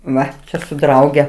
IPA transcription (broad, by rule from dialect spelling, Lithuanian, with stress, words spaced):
ˈʋɐ ˈt͡ʃʲɛ sʊ ˈdrɐʊɡʲɛ